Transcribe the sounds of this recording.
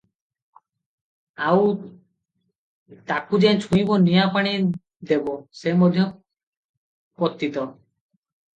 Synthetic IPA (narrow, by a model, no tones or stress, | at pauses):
aw | t̪akud͡ʑent͡ɕʰũjbonijapaɽ̃i | d̪ebosemod̪ʱːjo | pot̪ːit̪o